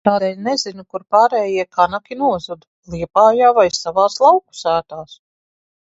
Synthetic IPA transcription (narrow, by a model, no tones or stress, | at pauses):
t̪aːd̪ɛːlʲnɛzinukuɾpaːɾɛːjiɛkʰanakʲinuɔzud̪ | lˠiɛpaːjaːvajsavɑːslˠɑwku̥sæːt̪aːs